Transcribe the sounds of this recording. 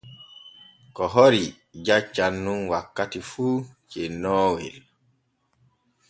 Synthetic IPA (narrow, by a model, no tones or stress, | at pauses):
kɔɦɔɾi | d͡ʒat͡ʃːanːunwakːatifuːt͡ʃɛnɔːwḭl